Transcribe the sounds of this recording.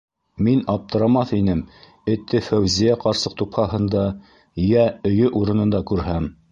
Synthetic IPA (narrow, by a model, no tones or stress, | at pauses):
minɑp̚t̪ɤ̆ɾɑmɑθinɘm | ɘ̆t̪ːɘfæwzijæqɑɾsɤq̚t̪uphɑɦɤ̆nd̪ɑ | jæɵ̆jɵʔuɾɤ̆nɤ̆nd̪ɑkʉɾɦæm